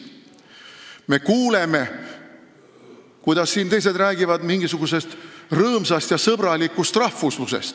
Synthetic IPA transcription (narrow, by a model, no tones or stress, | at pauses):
me̞kuːle̞me̞ | kujd̪̥ɑsːiːnt̪e̞js̬e̞d̪ræːɡ̥ivɑd̪miŋɡ̥isuɡ̥use̞st̪rɤːmsɑst̪jɑsɤb̥ɾɑlikːˑust̪rɑhfuslusḛst̪